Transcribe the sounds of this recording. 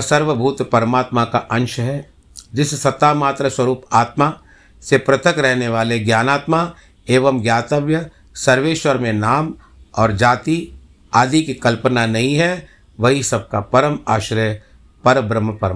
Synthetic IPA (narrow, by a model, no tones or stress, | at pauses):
sɐɾʋəbʱuːt̪pɐɾəmaːt̪makaʔɐ̃nʃɦɛ | d͡ʒɪssɐt̪ːaːmaːt̪ɾəswɐɾuːpaːt̪ma | sepɾɐt̪əkɾɛɦneʋaːleɡjaːnaːt̪ma | eːʋəmɡjaːt̪əʋjə | sɐɾʋeːʃʋəɾmẽnaːm | ɔːɾd͡ʒaːt̪i | aːd̪ʱikikɐlpənanɐɦĩɦɛ | ʋɐɦisɐb̚kapɐɾəmaːʃɾj | pɐɾəbɾəmːəpɐɾm